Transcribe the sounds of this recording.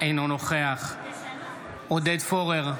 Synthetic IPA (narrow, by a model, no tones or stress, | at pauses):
ejnonoχeaχ | od̪ed̪foʁeʁ